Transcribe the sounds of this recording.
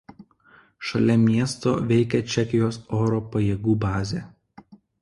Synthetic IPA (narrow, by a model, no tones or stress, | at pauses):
ʃɐlʲɛmʲiɛst̪o̰ːʋʲɛɪkʲɛt͡ʃʲɛkʲɪjoːsoːɾoːpɐjeːɡuːbɑːzʲeː